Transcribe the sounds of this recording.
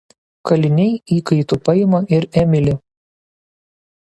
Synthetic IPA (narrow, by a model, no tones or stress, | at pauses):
kɐlʲɪnʲɛɪiːkɐɪt̪upɐɪmɐʔɪɾɛmʲɪlʲɪ